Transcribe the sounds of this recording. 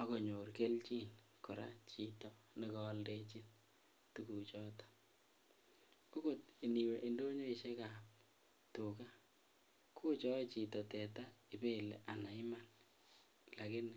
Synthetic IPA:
a˨ko˨ɲo˨rke˦lt͡ʃi˦n | kɔ˨ɾa̰˦t͡ʃi˨tɔ | ne˦kɔ˨˦lde˦t͡ʃi˦n | tu˨ku˨t͡ʃɔ˦tḁ˦ | ko˦ko˦˨ti˨ni˨we˨ʔi˨ndo˦ɲo˦i˨ʃe˦ka˨p̚ | to˨ka˦ | kʰo˦t͡ʃɔ˦i˦t͡ʃi˨tɔ˨tɛ˨ta˦i˨be˦˨lḛ˨ʔa˨na˨ɪ˦ma˦˨n | la˨ke˦n˨

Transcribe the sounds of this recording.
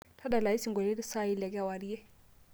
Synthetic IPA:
tʰa˦da˨la˨i˦si˨ŋɡwɔ˨lɛ˦ɾi˦sa˦i˦lɛ˨k̬ɛ˦a˨wa˨ɾi˦ɛ˦

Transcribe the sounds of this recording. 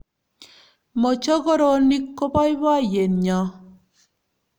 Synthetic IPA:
mɔ˨t͡ʃɔ˦ɣo˦ɾɔ˦ni˦kːo˦pɔ˦i˦bɔ˦˨je˨nɲɔ˨˦

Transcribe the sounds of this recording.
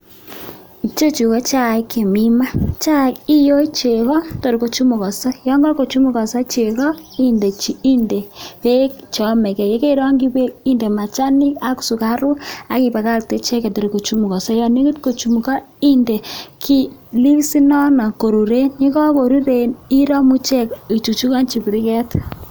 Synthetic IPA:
i˨t͡ʃo˦t͡ʃu˨kɔ˦t͡ʃa˦˨kːe˨mi˦ma˦t͡ʃa˦˨ki˦jo˦t͡ʃe˨kɔ˦to˨ɾi˨ko˨t͡ʃu˦mu˨kɔ˨sɔ˦jɔ˦ŋɡɔ˦rko˨t͡ʃu˦mu˦kɔ˨sa˦t͡ʃe˨kɔ˦i˦nde˨t͡ʃi˨i˦nde˨pe˦kt͡ʃɔ˨mɛ˨kɛ˨je˦ke˦ɾɔ˦ŋɡi˦pe˦i˦nde˨ma˨t͡ʃa˦ni˦ka˦ksu˨ka˦ɾu˦a˦ki˨pa˨ka˦k̚te˦t͡ʃe˦kɛ˨to˨ɾi˨ko˨t͡ʃu˦mu˨kɔ˨sɔ˦jɔ˨ni˦ku˦tko˨t͡ʃu˨mu˨ka˦ | i˦nde˨kʰi˦li˦wsi˦nɔ˦na˨ko˨ɾu˨ɾe˦ɲi˦kɔ˦bo˨ɾi˦ɾe˨ni˦ɾɔ˦mu˦t͡ʃɛ˦ki˨t͡ʃu˨t͡ʃu˦ka˦nt͡ʃi˨bi˨ɾi˦kɛ˦t

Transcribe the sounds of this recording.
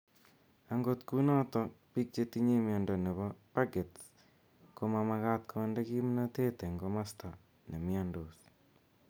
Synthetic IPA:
a˨ŋɡo˨t̪ku˦na˦t̪ɔ˦pi˦k̚t͡ʃe˦ti˦ɲe˦mɪa˨ndɔ˨ne˨βɔ˦pa˦ɡe˨t | ko˦ma˨ma˧ka˦t̪̚kʰo˦nde˦ki˦m˦na˦t̪e˦t̪e˨ŋɡo˦ma˦st̪a˨ | nɛ˨mɪ˦a˨ndo˨s

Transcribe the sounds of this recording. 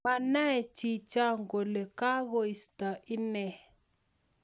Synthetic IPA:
ma˨na˦ɛ˨t͡ʃi˨t͡ʃa˦ŋɡo˨le˨ka˦ɣo˦i˨sta˨ʔi˦nɛ˨

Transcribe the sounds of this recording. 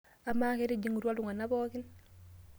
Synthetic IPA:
a˨ma˦ke˦ɾi˦d͡ʒi˦ŋu˨ɾu˦a˦lu˨ŋa˨na˦bɔː˦ki˦n

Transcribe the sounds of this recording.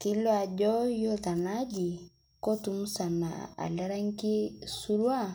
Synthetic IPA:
ki˦lo˦a˨ɟɔ˦jo˦ta˨na˦d͡ʒi˨ | ko˦tu˨mu˦sa˨na̰˨a̰˨la˦ɾa˦ŋ˦ki˦su˦ɾwa˦˨

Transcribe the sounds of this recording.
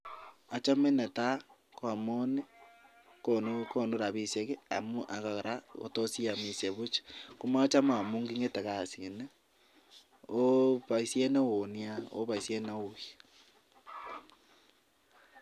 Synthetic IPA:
a˨t͡ʃa˦me˦ne˨ta˦ | kwa˨mo˦ni˦ | konoko˦no˦ɾa˨βi˨se˦ɣe˦a̰˨mu˦ʔa˨ɣa˨ɾa˦o̰˨to˦si˦a˨mi˨sje˨βo˦t͡ʃḁko˦ma˦o˦t͡ʃa˦ma˦a˨mu˦ŋɡi˦ŋe˦te˨ɣa˨sie˨ne˦ | o˦βa˨i˦sje˦na˦wo˨nia˦o̰˦βa˨i˨se˦na˦oa

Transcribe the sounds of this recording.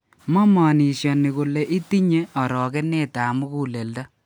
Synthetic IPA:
mɔ˦mɔ˨ni˨ʃjɔ˨nɪ˨ku˨le˨ʔi˦ti˦ɲe˦ɔ˨ɾɔ˨kɛ˦neː˦ta˨mu˦ku˦le˨lda˦

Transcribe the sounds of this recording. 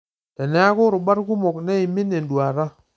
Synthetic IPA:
te˨nɛ˦a˦kʊ˦ɾʊ˨ba˦ɾku˦mo˨kne˦i˨mi˦ne˨ndwa˨ɾa˦

